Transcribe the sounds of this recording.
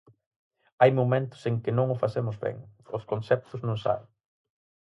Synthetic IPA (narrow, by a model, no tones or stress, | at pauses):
ajmomẽnt̪ʊ̥seŋkɪnõŋʊfasemʊzβɛ̰ŋʊskonsɛp̚t̪ʊznõŋsa̰l